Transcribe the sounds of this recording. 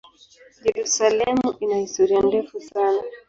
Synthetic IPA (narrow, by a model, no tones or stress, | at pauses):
d͡ʒɛɾusalɛmuʔinahistɔɾiandɛfusana